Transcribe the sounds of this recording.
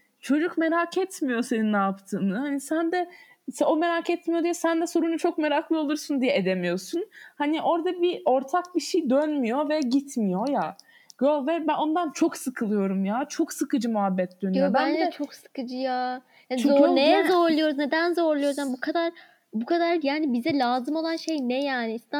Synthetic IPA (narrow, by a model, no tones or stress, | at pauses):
t͡ʃʰo̞d͡ʒukme̞ɾakʰɛt̪mijo̞se̞ninnaːpt̪ʰɯːmɯhanisænd̪ɛ | so̞me̞ɾakʰɛt̪mijod̪ijɛsænd̪ɛso̞ɾunut͡ʃʰo̞kme̞ɾaklˠɯo̞lˠuɾsund̪ijɛed̪e̞mijo̞sunhaniʔo̞ɾd̪abiʔo̞ɾt̪ʰak̚biʃejd̪ønmijo̞vɛɟit̪ʰmijo̞ja | ɡ̥ølʲˠvɛbæno̞nd̪ant͡ʃʰo̞ksɯkʰɯlˠɯjo̞ɾumjaːt͡ʃʰo̞ksɯkɯd͡ʒɯmuɦabːɛt̪̚d̪̥ønjobænd̪ɛt͡ʃʰo̞ksɯ̥kɯd͡ʒɯjaː | hant͡ʃizonɛzo̞ɾlˠujo̞ɾuzned̪ænzo̞ɾlˠujozjanbukʰad̪aɾ | bukʰad̪aɾjaːnibizɛlʲaːzɯmo̞lˠanʃe̞jnɛjaːniist̪a